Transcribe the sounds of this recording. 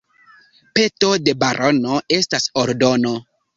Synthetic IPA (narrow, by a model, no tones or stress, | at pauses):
pe̞to̞de̞baɾʔonoe̞stasoɾdo̞no